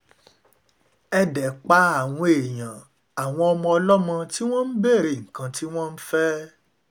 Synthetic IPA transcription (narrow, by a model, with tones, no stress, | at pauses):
ɛ˧dɛ˨k͡pa˦a˦˨w̃ɔ̃˧e˨j̃ã˨ | a˨w̃ɔ̃˧ɔ˧mɔ̃˧ɔ˧lɔ˦mɔ̃˧ti˦w̃ɔ̃˦n̩˦be˦˨ɾe˨ŋ̩˨kã˧ti˦w̃ɔ̃˦n̩˦fɛ˦